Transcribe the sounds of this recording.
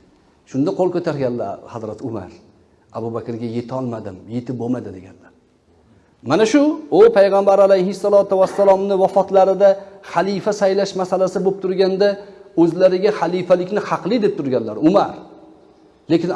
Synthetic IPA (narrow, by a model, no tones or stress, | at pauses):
ʃʊnd̪aqʰolˠkʰɵt̪ʰaɾɡʲanla̰hazɾat̪ʰʊma̰ɾ | abubakʲɾɡʲaje̞t̪ʰɒlˠmad̪ɪmje̞t̪ʰɪp̚bomad̪ɪd̪e̞ɡʲa̰nlaɾ | manaʃʊʊpʰajʁɑmbaɾalajhɪsːalˠɒt̪ʊvasːalˠɒmnɪvafɒt̪laɾɪd̪aχalˠijfasajlaʃmasalasɪbop̚t̪ʰʊɾɡʲand̪aɵzlaɾɪɡʲaχalijfalɪkʲnɪhɑqlˠɪd̪e̞p̚t̪ʰʊɾɡʲanlaɾʊmaɾ | le̞kʲɪn